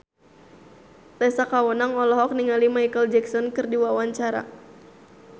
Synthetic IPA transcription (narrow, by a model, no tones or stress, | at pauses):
t̪ɛsakawɔnaŋɔlɔɦɔk̚niŋalimajkəld͡ʒɛksɔnkɨrdiwawaɲt͡ʃaɾa̰